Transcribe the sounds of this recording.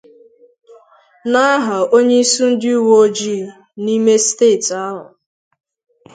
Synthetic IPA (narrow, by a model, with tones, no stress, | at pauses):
na˦ɦa˨o˦ɲe˦i˦su˦n̩˦dɪ˦u˦woo˦d͡ʒi˦˨ | ni˦me˦steː˦˨ta˦ɦʊ̰˨